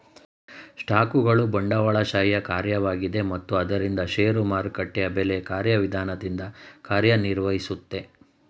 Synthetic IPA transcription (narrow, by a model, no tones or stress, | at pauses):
ʂʈaːkuɡɐɭubɐɳɖɐʋɐɭɐʃaːjjɐkaːɾjɐʋaːɡid̪e̞mɐt̪ːuɐd̪ɐɾind̪ɐʃeːɾumaːɾkɐʈːɛɐbelekaːɾjɐʋid̪ʱaːnɐd̪ind̪ɐkaːɾjɐniɾʋɐɦisut̪ːe̞